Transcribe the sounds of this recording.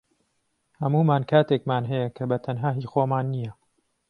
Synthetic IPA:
hɐmuːmaːnkʰaːt̪eːkmaːnɦɛjɐkʰɐbɐt̪ʰɐnɦaːɦiːxoːmaːnːijɐ

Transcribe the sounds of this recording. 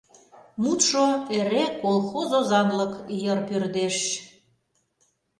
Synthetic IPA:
mut̪ʃoeɾekolxozozɑnləkjərpørd̪eʃ

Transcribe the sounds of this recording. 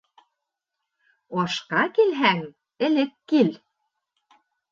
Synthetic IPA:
ɒʃqɑkelɦæŋ | ɘ̆lɘ̆kːel

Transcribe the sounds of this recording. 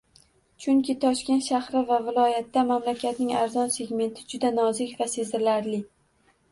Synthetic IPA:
t͡ʃʰʊŋkʲɪt̪ʰɒʃkʲe̞nt̪ʃahɾɪvavɪlˠɒjat̪ːamamlakʲʰat̪nɪŋaɾzɒnse̞ɡʲme̞nt̪ʰɪd͡ʒʊd̪anɒzɪkʲvase̞zɪɾlaɾlɪ

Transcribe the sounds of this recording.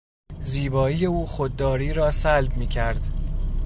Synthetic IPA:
ziːbɒːije̞uːxod̪̚ːɒːɾiːɾɒːsælb̚miːcʰæɾd̪̥

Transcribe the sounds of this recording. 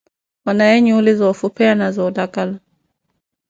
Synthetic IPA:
wanajɛɲuulizɔːfupɛanazɔːdakala

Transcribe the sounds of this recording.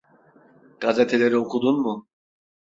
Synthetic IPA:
ɡ̥azet̪ʰelʲe̞ɾiokʰud̪unmu

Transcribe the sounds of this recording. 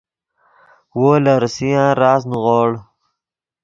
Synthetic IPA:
woːlaɾsijãːɾɑːs̬nuɣoːɽ

